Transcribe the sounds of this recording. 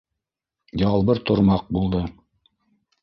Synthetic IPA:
jɑlˠβɤɾt̪ŏɾmɑq̚bulˠd̪ɤ

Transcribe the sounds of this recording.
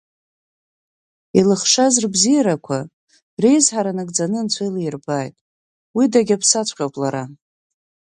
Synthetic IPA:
ilɨχʂazrbzijaɾakʷʰa | rejzħaɾanɨɡʼd͡zanɨnt͡sʷʰejlajrbaːjtʼ | widaɡʲapʰsat͡sʷʰʼqʲʼawpʼlaɾa

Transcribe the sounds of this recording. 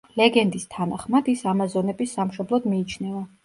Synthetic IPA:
lɛɡɛnd̪ist̪ʰanaχmad̪isamazɔnɛbisːamʃɔblˠɔd̪miːt͡ʃʰnɛva

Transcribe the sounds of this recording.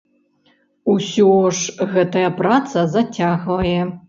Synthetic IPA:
usuɔʂɣɐtʰɐjaprat͡sʰɐzatʲʰːaxlɐjɛ

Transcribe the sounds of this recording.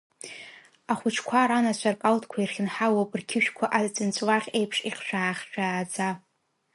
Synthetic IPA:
aχʷʊt͡ʃʰkʷʰaɾanat͡ɕʷʰarkʼaltʰʼkʷʰairχʲɪnħawapʼɨrkʲʰɪʃᶣkʷʰaʔat͡sʼɨnt͡ɕʷʼwaχʲe̞jpʰʂiqʃᶣaːχʲʃʲᶣʼaːd͡za

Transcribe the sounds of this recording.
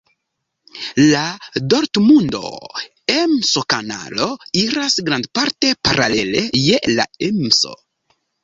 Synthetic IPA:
lado̞ɾtmundo̞̰ | emsokana̰lo̞iɾasɡɾandpaɾte̞paɾale̞le̞je̞la̰emso̞̰

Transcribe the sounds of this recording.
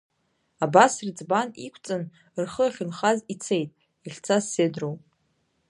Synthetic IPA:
abasrit͡sʼbanḭkʷʰt͡sʼɨn | rχəaχʲʊnχazit͡sʰe̞jtʼ | iχʲt͡sʰasːedrowʼ

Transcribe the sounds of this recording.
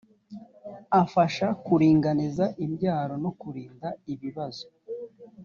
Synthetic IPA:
afaʃakuɾiːŋɡanizaʔimɟaːɾo̞no̞kuɾiːndaiβiβazo

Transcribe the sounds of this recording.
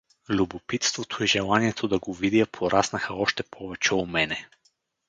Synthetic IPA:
lʲubopit̪st̪vot̪ʰoiʒɛlˠaniɛt̪ʰod̪ɐɡovid̪iɐpʰoɾʔasnɐxəɔʃt̪ɛpʰɔvɛt͡ʃɛomɛnɛ

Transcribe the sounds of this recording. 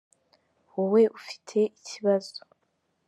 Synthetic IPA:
wuwe̞ʔufi̥tʰe̞ʔicʰiβazo̥

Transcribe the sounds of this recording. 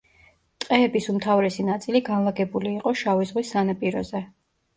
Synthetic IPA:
t̪ʼqʼɛːbisumt̪ʰavɾɛsinat̪sʼiliɡanlˠaɡɛbuliːqʼɔʃavizʁwisːanapʼiɾɔzɛ

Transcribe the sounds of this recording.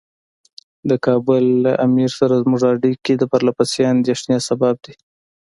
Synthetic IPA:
d̪əkɑbʊlːaʔamiɾsaɾazmʊʐɑɽikid̪əpaɾlapasjeand̪eʂnjɑsabab̚d̪i

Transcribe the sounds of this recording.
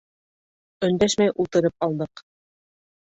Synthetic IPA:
ɵ̆nd̪æʃmæjʔulˠt̪ɤ̆ɾɤp̚ɑlˠd̪ɤq

